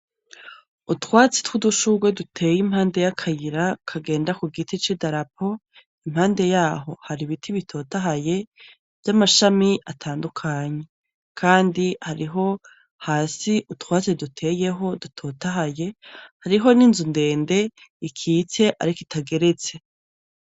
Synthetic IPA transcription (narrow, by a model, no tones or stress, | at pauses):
utwaːt͡se̥twuduʃuɡwedutʰe̞ːjim̥haːnde̞jakʰajiɾakʰaɡe̞ːndakuɡitit͡ʃidaɾap̚ʰo̞ | imhaːnde̞jaːɦo̞haɾiβitʰiβitʰo̞ːtaɦaje̞ | v̥jamaʃamiʔatʰaːndukʰaɲe̞ | kʰaːndihaɾiɦo̞ | haːsiʔutwaːt͡sedutʰe̞ːje̞ɦo̞dutʰo̞taɦaje̞haɾiɦo̞niːnzunde̞ːnde̞ikʰiːt͡se̞ʔa̰ɾikitaɡe̞ɾe̞t͡se̞